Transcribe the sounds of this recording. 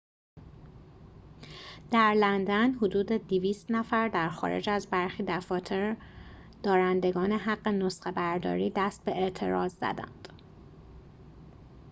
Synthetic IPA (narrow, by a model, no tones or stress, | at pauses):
d̪̥æɾlænd̪ænɦod̪uːd̪ed̪iviːst̪næfæɾd̪æɾxɒ̰ːɾḛd͡ʒæzbæɾxiːd̪æfɒːt̪ʰeɾ | d̪̥ɒːɾænd̪e̞ɡɒːne̞ɦæɢːe̞nosχebæɾd̪ɒ̰ːɾiːd̪æst̪̚be̞eʔt̪ʰe̞ɾɒːzzæ̰d̪æ̰nd̪̥